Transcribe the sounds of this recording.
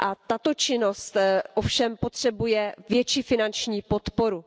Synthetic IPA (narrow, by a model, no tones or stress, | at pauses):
ʔat̪at̪o̞t͡ʃɪno̞st̪ʔofʃɛmpo̞t̪r̝̥ɛbujɛvjɛt͡ʃiːfɪnant͡ʃɲiːpo̞t̪po̞ɾu